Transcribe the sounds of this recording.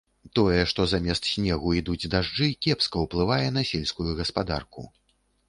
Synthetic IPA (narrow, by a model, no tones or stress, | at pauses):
t̪ɔjɛʂt̪ɔzamʲɛst̪sʲnʲɛɣuid̪ud͡zʲd̪aʐd͡ʐɨkʲɛpskɐwplˠɨvajɛn̪ɐsʲɛlʲskujuɣɐspad̪a̰rkṵ